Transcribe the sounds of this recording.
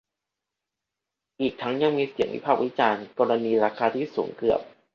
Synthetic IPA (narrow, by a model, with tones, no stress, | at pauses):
ʔiː˨˩k̚t̪ʰa˦˥ŋja˧ŋmiː˧si˨˩˦əŋwʔḭ˦˥pʰaː˥˩k̚wi˦˥t͡ɕaː˧nkɔː˧ɾa˧niː˧ɾaː˧kʰaː˧t̪ʰiː˥˩suː˩˦ŋkɯ˨˩əp̚